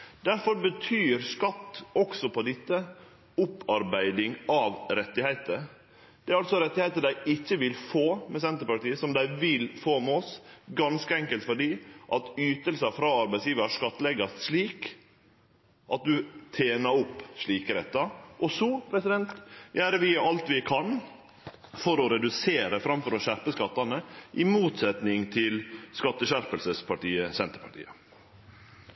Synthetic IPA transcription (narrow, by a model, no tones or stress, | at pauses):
d̪æɾfɔɾbət̪ʰyːɾskɑt̪ːɔksɔpʰɔd̪ɪt̪ːə | ʊpːɑɾbæɪd̪ɪŋɑʋɾɛt̪ːɪhæɪt̪ə | d̪̥ɛæɾɑlsɔɾɛt̪ːɪhæɪt̪əd̪æɪɪçːəʋɪlfoːmɛsɛnt̪əpɑʈiːəsɔmd̪æɪʋɪlfoːmɛɔsɡɑnskəɛŋkəlt̪fɔɖiːʔɑt̪yːt̪əlsəfɾɑːɑɾbæɪsjiːʋəɾʂkɑt̪ːlɛɡɑʂɭiːk | ʔɑt̪̚d̪ʉt̪ʰeːnɑɾɔpːʂɭiːkəɾɛt̪ːɑʔɔsɔpʰɾɛsɪd̪ɛnt̪jæːɾəʋɪɑlt̪ʋɪkʰɑn | fɔɾɔɾɛd̪ʉseːɾəfɾɑmfɔɾɔɕæɾpəskɑt̪ːɑnəʔɪmuːt̪sɛt̪nɪŋt̪ʰɪlskɑt̪ːəɕæɾpəlsəspʰɑʈiːəsɛnt̪əɾpʰɑʈʰḭːə